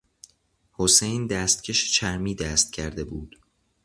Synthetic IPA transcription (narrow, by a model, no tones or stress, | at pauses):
hosejnd̪æːst̪̚cʰe̞ʃe̥t͡ʃʰæɾmiːd̪æːst̪̚cʰæɾd̪e̞buːd̪̥